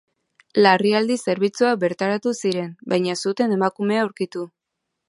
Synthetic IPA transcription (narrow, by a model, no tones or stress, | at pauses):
lariald̪ise̞ɾβ̞it͡suabe̞ɾt̪aɾat̪usiɾe̞nbajɲasut̪e̞ne̞makume̞aːwɾkit̪u